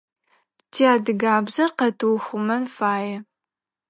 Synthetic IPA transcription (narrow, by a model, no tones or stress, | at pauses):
tʰiaːdɨɡaːbzɐrqɐtʰɨwxʷʊmɐnfaːjɛ